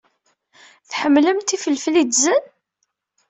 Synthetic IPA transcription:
θħəmːləmt̪ifəlflid̪zən

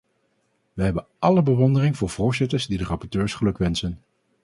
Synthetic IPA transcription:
ʋəɦɛbənʔɑləbəʋɔndərɪŋvʊːɹv̥ʊːɹzɪtəɹzdidərɑpɔɹtøːɹsχəlɵkʋɛnsən

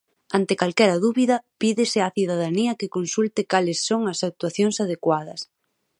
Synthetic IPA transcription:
ant̪ɪkalkɛɾɐðuβiðɐpiðɪsɪaθiðaðaniɐkɪkonsult̪ɪkalɪsːoŋɐsak̚t̪waθjoŋsað̞ekwað̞ɐs

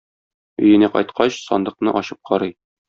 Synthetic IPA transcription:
ɵ̆jɘ̆næqɒ̰jt̪qʰɑɕsɒ̰nd̪ɤ̆qnɤʔɒɕɤp̚qʰɒɾɤj

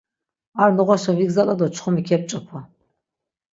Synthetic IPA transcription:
arnɨʁʷɔʃɐviɡzalad̪ɔt͡ʃʰχʷɔmikʲʰɛp̚t͡ʃʼɐpʰɔ

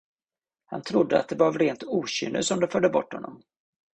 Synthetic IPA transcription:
ha̰nt̪ʰɾʊd̪ːəat̪̚d̪ɛbɑvɾeːnt̪uːɕʏ̰ːnʔəsɔmd̪ɛfœɖ̪ːəbɔ̰ʈːhɔnːɔm

